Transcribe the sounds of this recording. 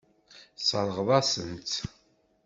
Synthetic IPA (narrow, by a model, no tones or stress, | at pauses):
səɾˤəʁðˤɑsənt͡s